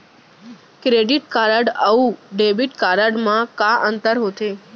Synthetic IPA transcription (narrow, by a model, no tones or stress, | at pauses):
kɾeɖiʈkaɾəɖəuɖebiʈkaɾəɖmãkaʔə̃nt̪əɾɦot̪ʰe